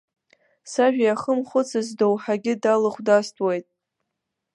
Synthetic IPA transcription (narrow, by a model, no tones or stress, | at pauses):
saʒᶣajaχəmχʷʊt͡sʰazdowħaɡʲɪdalɨχʷdastʼwejtʼ